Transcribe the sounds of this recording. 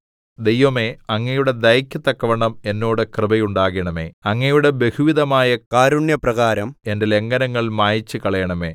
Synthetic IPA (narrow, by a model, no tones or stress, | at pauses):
d̪ejʋɐme̞ːɐŋːɐjuɽe̞d̪ɐjɐkʲːut̪ːɐkːɐʋɐɳɐme̞nːo̞ːɽɨkrɨbɐjuɳɖaːɣiɳɐme̞̰ːɐŋːɐjuɽe̞be̞huʋiðɐmaːjɐkaːɾuɳjɐprɐɣaːɾɐmende̞le̞ŋɡɐnɐŋːɐɭmaːjit͡ɕːɨkɐɭɐjɐɳɐme̞̰ː